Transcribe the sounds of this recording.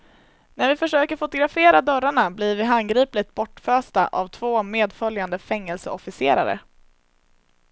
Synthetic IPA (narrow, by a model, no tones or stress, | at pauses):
næɾvɪfœʂøːkəɾfʊt̪ʊɡɾafeːɾad̪œɾaɳablɪɾvɪɦanɡɾiːplɪt̪̚bɔʈføːst̪a̰ʔavt̪ʰvoːmeːd̪fœljand̪əfɛŋːɛlsəɔfɪsḛːɾa̰ɾə̰